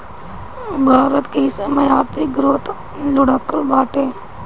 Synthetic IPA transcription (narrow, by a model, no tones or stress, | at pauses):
bʱaːɾət̪keɦɪsemɐjaːɾt̪ʰɪk̚ɡɾot̪ | lʊɽakːəlbaːʈeː